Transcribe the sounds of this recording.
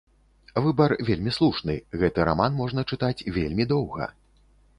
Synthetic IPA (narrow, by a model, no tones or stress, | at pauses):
vɨbɐrvʲelʲmʲislˠuʂnɨɣɛt̪ɨɾa̰manmɔʐnɐt͡ʂɨt̪at͡sʲvʲelʲmʲid̪ɔwɣɐ̰